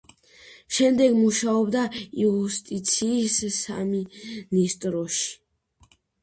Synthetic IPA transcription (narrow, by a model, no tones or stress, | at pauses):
ʃɛmd̪ɛɡmuʃaɔbd̪aiust̪ʼit̪sʰiːssa̰minist̪ʼɾɔʃi̥